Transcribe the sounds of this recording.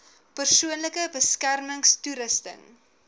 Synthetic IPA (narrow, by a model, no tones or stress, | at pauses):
pərsuənləkəbəskærməŋstuɾəstə̰n